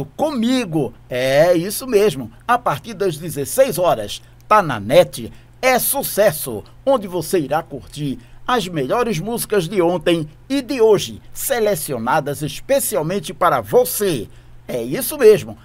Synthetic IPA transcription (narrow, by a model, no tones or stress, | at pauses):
ʊkõmiɡʊɛisʊmezmʊapaɾt̪iɾd̪ɐzd̪ɪzesejzɔɾɐ̰s | t̪anɐ̰nɛt͡ʃɪ | ɛsusɛsʊ̰ | õnd̪ɪvoseiɾakoɾt͡ʃ̪iɾɐzmeʎɔɾɪzmuzikɐzd̪ɪõnt̪ẽj̃ | ɪd̪ɪoʒɪselesionad̪ɐzespesiawmẽnt͡ʃ̪ɪpaɾɐvose | ɛisʊmezmʊ